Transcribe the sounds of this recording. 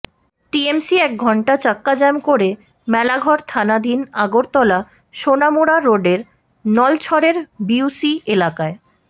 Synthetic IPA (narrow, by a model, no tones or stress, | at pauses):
ʈiemsiɛk̚ɡʱɔɳʈat͡ɕakːad͡ʑɛmkoɾe | mɛlaɡʱɔɾt̪ʰanad̪ʱinaɡoɾt̪ɔla | ʃonamuɾaɾoɖeɾ | nɔlt͡ɕʰɔɾeɾbiusielakae